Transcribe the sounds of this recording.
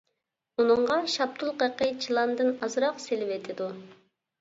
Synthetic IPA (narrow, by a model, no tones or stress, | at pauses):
unɨɴʁɑʃɑp̚t̪ʰulˠqəqʰɨt͡ʃʰilˠɑnd̪ɨnɑzɾɑqselɪvet̪ʰɪd̪u